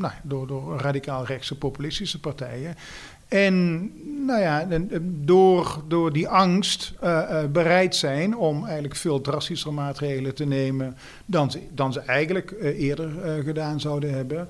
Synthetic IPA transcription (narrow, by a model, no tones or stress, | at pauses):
najadʊːdʊːɹraːdikaːlˠrɛksəpowpylɪstisəpaɹtɛ̰jən | ɛnnowjadʊːrdʊːɹdiʔɑŋstbərɛjtsɛjnɔmɛjɣənələkfɪːlˠtrɑstisərəmaːtrejɣələtənejmən | dɑnzədɑnzəʔɛjɣənələkɪːɹdərɣədaːnzɑwdənɦɛbən